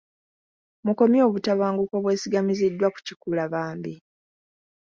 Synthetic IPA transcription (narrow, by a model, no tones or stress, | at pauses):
muko̞mjo̞ːβutaβaːŋɡukoβwe̞ːsiɡamizidːwaku̥cikulaβaːmbi